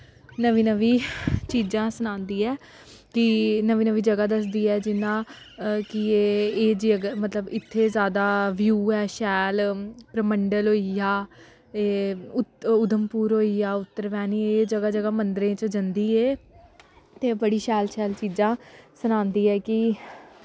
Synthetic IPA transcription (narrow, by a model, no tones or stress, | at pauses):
nəʋiːnəʋiːt͡ʃiːzãːsənãːnd̪iːɛː | kɪnəʋiːnəʋiːd͡ʒəɡaːd̪əsd̪iːɛːd͡ʒɪnːãː | kɪeːeːd͡ʒəɡmət̪ləbɪt̪ʰːeːzjaːd̪aːʋjuːɛːʃɛːlpɾəməɳɖəlɦoːijaː | eːʊʊd̪əmpuːɾɦoːijaːʊt̪ːəɾʋɛːniːeːd͡ʒəɡaːd͡ʒəɡaːmənd̪ɾẽːt͡ʃd͡ʒənd̪iːeː | t̪eːbəɽiːʃɛːlʃɛːlt͡ʃiːd͡ʒãːsənãːnd̪iːɛːkɪ